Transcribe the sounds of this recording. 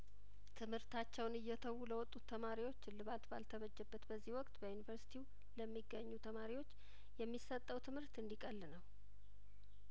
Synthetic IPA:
t̪ʰɨmhɨɾt̪ʰat͡ʃːɛwnɨjːɛt̪ʰəwːuləwɔt̪ʼːut̪ʰːəmaɾiwo̞t͡ʃːlɨβalt̪balt̪ʰəβəd͡ʒːɛbːət̪bəzːihwɔkʼt̪ʼbəjunivəɾsi̥t̪ʰiw | ləmːiɡəɲːut̪ʰəmaɾiwo̞t͡ʃː | jɛmːisət̪ʼːəwt̪ʰɨmhɨɾt̪ɨnd̪ikʼəlːɨnəw

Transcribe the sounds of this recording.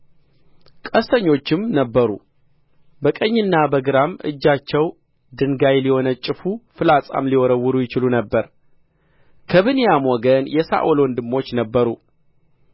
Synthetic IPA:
kʼəst̪ʰəɲːo̞t͡ʃːɪmnəbːəɾṵ | bəkʼəɲːɨnːabəɡɨɾamʔɨ̰d͡ʒːat͡ʃːɛw | d̪ɨŋɡajliho̞nət͡ʃʼːɪfufɨlasʼa̰mliwɔɾəwːʊɾujɪt͡ʃɪlunəbːəɾ | kʰəβɨnijamwɔɡənjɛsa̰ʔolwɔnd̪ɨmːo̞t͡ʃːnəbːəɾu

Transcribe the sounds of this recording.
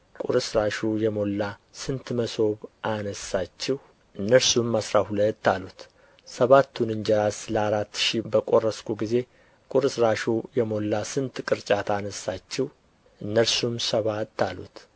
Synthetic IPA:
kʼṵɾɨsɾaʃujɛmo̞lːasɨnt̪məso̞βʔanəsːat͡ʃːɪh | ʔɨnːəɾsumasɾahulət̪ːalut̪ | səβat̪ʰːunɨɲd͡ʒɛɾasləaɾat̪ːʃibəkʼo̞rːəskuɡize̞ | kʼuɾɨsɾaʃujɛmo̞lːasɨnt̪kʼɨɾt͡ʃʼat̪ʰanəsːat͡ʃːɪw | ʔɨnːəɾsumsəβat̪ːalṵt̪

